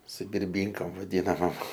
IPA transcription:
sʊ bʲɪrʲˈbʲiːŋkɐm ʋɐˈdʲiːnɐmoːm

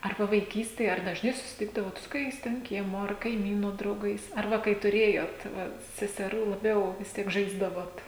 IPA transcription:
ɐr ˈʋɐ ʋɐɪˈkʲiːsʲtʲeːj ɐr dɐʒˈnɐɪ sʊsʲɪˈtʲɪɡdɐʋoːt sʊ koːˈkʲɛɪs tʲɛn ˈkʲiɛmoː ɐr kɐɪˈmʲiːnʊ drɐʊˈɡɐɪs ɐr ˈʋɐ kɐɪ tʊˈrʲeːjoːt ˈʋɐ sʲɛsʲɛˈruː lˠɐˈbʲɛʊ ʋʲɪs ˈtʲiɛk ˈʒɐɪzdɐʋoːt

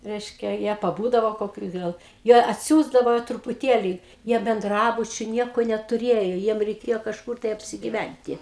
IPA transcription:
ˈrʲɛɪʃʲkʲɛ ˈjiɛ pɐˈbuːdɐʋoː koːˈkʲʊ ˈɡɐlˠ jiɛ ɐtʲˈsʲuːzdɐʋoː trʊpʊˈtʲeːlʲɪ ˈjiɛ bʲɛnˈdrɑːbʊt͡ʃʲʊ ˈnʲiɛkoː nʲɛtʊˈrʲeːjoː ˈjiɛm rʲɛɪˈkʲeːjoː kɐʃˈkʊr tɐɪ ɐpʲsʲɪɡʲɪˈʋʲænʲtʲɪ

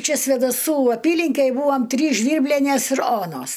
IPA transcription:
ˈt͡ʃʲɛ sʲʋʲeːdɐˈsuː ˈɑːpʲiːlʲɪŋʲkʲɛj ˈbuːʋɐm ˈtʲrʲiːs ˈʒʲʋʲiːrʲbʲlʲɛnʲeːs ɪr ˈoːnoːs

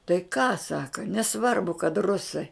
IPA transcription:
tɐɪ kɑː ˈsɑːkɐ nʲɛˈsʋɐrbʊ kɐt ˈrʊsɐɪ

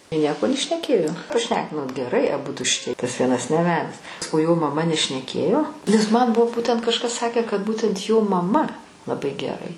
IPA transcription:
ɪ ˈnʲiɛkoː nʲɛʃʲnʲɛˈkʲeːjoː prɐˈʃʲnʲæːkʲɪnoːt ɡʲɛˈrɐɪ ɐˈbʊdʊ ʃʲɪˈtʲiɛ tɐs ˈʋʲiɛnɐs nʲɛˈʋʲæːdʲɛs oː joː mɐˈmɐ nʲɛʃʲnʲɛˈkʲeːjoː nʲɛs ˈmɐn ˈbʊʋoː ˈbuːtʲɛnt ˈkɑːʃkɐs ˈsɑːkʲæː kɐt ˈbuːtʲɛnt joː mɐˈmɐ lˠɐˈbɐɪ ɡʲɛˈrɐɪ

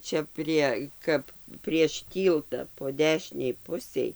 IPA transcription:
ˈt͡ʃʲɛ pʲrʲiɛ ˈkɐp pʲrʲiɛʃ ˈtʲiːlˠtɐ poː ˈdʲæːʃʲɪnʲɛɪ ˈpʊsʲɛɪ

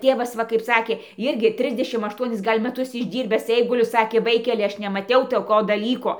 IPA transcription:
ˈtʲeːʋɐs ˈʋɐ kɐɪp ˈsɑːkʲeː ˈɪrʲɡʲɪ ˈtʲrʲɪzʲdʲɛʃʲɪm ɐʃˈtuɔnʲɪs ˈɡɐlʲ mʲæˈtʊs ɪʒʲˈdʲiːrʲbʲæːs ˈɛɪɡʊlʲʊ ˈsɑːkʲeː ˈʋɐɪkʲɛlʲɪ ˈɐʃ nʲɛmɐˈtʲɛʊ toːˈkoː dɐˈlʲiːkoː

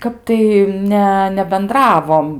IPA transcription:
ˈkɐp tɐɪ ˈnʲɛ nʲɛbʲɛnˈdrɑːʋoːm

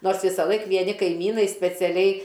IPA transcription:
ˈnoːrs ˈʋʲɪsɐlˠɐɪk ʋʲiɛˈnʲɪ kɐɪˈmʲiːnɐɪ sʲpʲɛt͡sʲɛˈlʲɛɪ

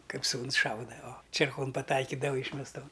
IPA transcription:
ˈkɐɪp ˈsuːns ˈʃɐʊdɐ oː t͡ʃʲeːrˈkoːn pɐˈtɐɪkʲiːdɐʋɐ iːʃʲmʲɛsˈtoːn

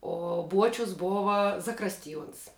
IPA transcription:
oː ˈbuɔt͡ʃʲʊs ˈboːʋɐ zɐˈkrɑːsʲtʲɪˌjuɔns

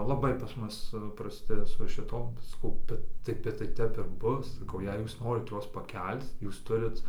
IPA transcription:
lˠɐˈbɐɪ pɐs ˈmʊs prɐˈsʲtʲɪ sʊ ʃʲɪˈtoːm sɐˈkɐʊ ˈbʲɛt tɐɪ bʲɛt tɐɪ ˈtʲɛp ɪr ˈbʊs sɐˈkɐʊ jɛɪ ˈjuːs ˈnoːrʲɪt ˈjuɔs pɐˈkʲɛlʲt͡s ˈjuːs ˈtʊrʲɪt

